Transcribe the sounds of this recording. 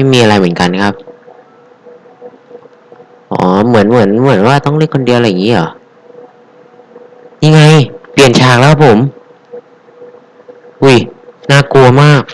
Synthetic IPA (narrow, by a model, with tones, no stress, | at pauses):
ma˥˩jmiː˧ʔa˧ɾa˧jmɯ˩˦nka˧n˧kʰa˦˥p̚ | ʔɔ̰ː˩˦mɯ˩˦ənmɯ˩˦ənmɯ˩˦ənwaː˥˩t̪ɔ˥˩ŋɾi˥˩əkʰo˧ndi˧ʔa˧˩jːa˨˩ŋiː˦˥ʔɔ̰ː˨˩˦ | ɲa˧ŋa˧jpi˨˩ənt͡ɕʰaː˨˩k̚lːkʰa˥pʰːo˩˦m | ʔu˥˩jnaː˥˩ku˧ɐmaː˥˩k̚